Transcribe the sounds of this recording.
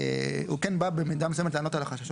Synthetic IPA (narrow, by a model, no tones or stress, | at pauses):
ukɛnbabemid̪amsemetleano̞t̪alaχaʃaʃo